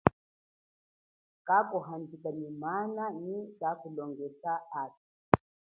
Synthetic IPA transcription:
kakɔɦandikanimananikakulɔŋɡɛsaatu

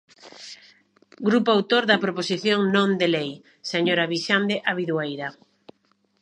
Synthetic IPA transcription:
ɡɾupoawt̪oɾðapɾoposiθjoŋnõnd̪elej | seɲoɾaβiʃand̪eʔaβiðwajða

